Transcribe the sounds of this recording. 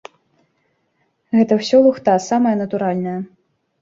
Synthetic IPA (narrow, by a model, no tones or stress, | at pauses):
ɣɛt̪ɐwsʲɔlˠuxt̪asamɐjɐnɐt̪uɾalʲnɐjɐ